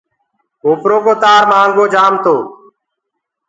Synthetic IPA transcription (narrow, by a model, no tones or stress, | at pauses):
oːpɾoːkoːt̪aːɾmãːŋɡoːd͡ʒaːmt̪oː